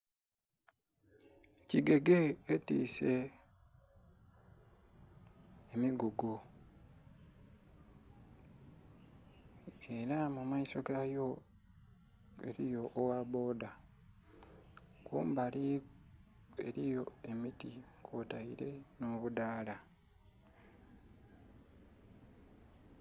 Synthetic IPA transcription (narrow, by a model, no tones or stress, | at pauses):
ciɡe̞ɡeːtḭːse̞ | emiɡuɡo | e̞ɾamumaiso̞ɡajo | ḛɾijo̞ʔːwaβo̞ːda | kʰuːmbali | e̞̰ɾijo̞e̞mitikʰotaiɾe̞noβudaːla